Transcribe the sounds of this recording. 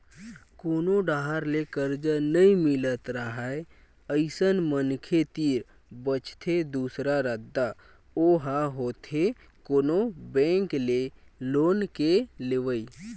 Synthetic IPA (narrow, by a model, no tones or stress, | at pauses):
koːnoɖaːɦaɾlekəɾd͡ʒənəĩmɪlət̪ɾəɦae | əɪsənmənkʰet̪iːɾ | bət͡ʃt̪ʰed̪uːsɾaɾəd̪ːa | oɦaɦoːt̪ʰe | koːnobɛ̃ːŋkleloːnkeleʋəi